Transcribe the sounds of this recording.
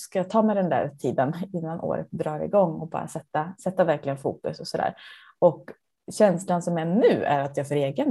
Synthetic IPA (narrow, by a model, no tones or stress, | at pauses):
skajat̪ʰɑːmɛd̪ɛnd̪æ̰ːɾt̪ʰiːd̪ənɪnːanʔo̰ːɾə̰t̪̚d̪ɾɑːɾɪ̰ɡɔŋːɔbɑ̰ːɾa̰sɛt̪ːasɛt̪ːavæɾklɪɡənfṵːkɵsɔsɔd̪æ̰ːɾ | ɔk | ɕɛnslansɔmænʉ̟ːæ̰ɾat̪jɑːfœɾeːɡən